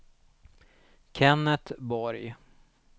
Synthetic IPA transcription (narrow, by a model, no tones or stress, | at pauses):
kʰɛnːət̪bɔɾj